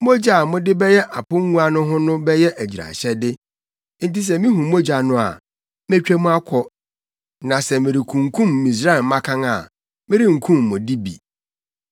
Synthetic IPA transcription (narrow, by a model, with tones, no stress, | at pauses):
mo˦d͡ʑa˨mʊ̃˦dɪ˦bɛ˦jɛ˦ʔa˨pʊ̃˦ŋ˦ŋũ˦a˦nʊ̃˦ɦʊ̃˦nʊ̃˦bɛ˦jɛ˦ʔæ˨d͡ʑi˨ɾa̰˨ɕɛ˦dɪ˦ | n̩˨ti˦s̬ɛ˨mĩ˦ɦũ˨mo˦d͡ʑa˨nʊ̃˦a̰˨ | me˦t͡ɕᶣæ˦mũ˦a˦kʷʰɔ˦ | nã˨sɛ˨mɪ̃˨ɾi˨kʰũ˨ŋ˨kʰũ˦mːĩ˨s̬ɾa˦ɛ˨˦mã˦kʰã˦ŋa˨ | mɪ̃˦ɾi˦ŋ̩˨kʰũ˦˨mːʊ̃˨di˦bḭ˨